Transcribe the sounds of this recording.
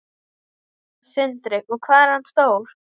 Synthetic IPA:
sɪnt̪ɾɪkɔɣkʰvaːðɛɾ̥hanst̪oːwɾ̥

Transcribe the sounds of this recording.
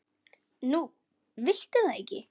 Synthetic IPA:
nu | vɪl̥t̪ɪθaðejcːɪ̰

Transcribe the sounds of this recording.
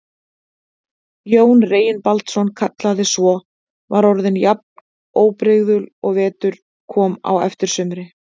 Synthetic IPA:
joːwnreːjɪnpalt̪sɔnkʰat̪laðɪsvɔ | vaɾɔɾðɪnjap̚n | oːwpɾɪɣðʏlɔɣvɛːt̪ʏɾ̥ | kʰɔːma̰wɛ̰ft̪ɪɾ̥sʏmɾɪ

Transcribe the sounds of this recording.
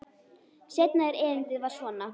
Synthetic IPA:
sjɛjt̪naɛɾɛːvɪnt̪ɪðvaɾ̥svɔːna

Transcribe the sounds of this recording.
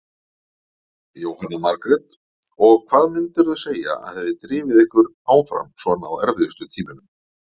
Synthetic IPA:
jowhanːamaɾkɾɛt̪ | ɔɣkʰvaːðmɪnt̪ʏɾðaseːja̰a̰ðhɛðɪɾt̪ɾiːvɪðɪhkʏɾ | aːwfɾa̰msvɔnaawɛɾvɪðɪst̪ʏt̪ʰiːmɪnʏm

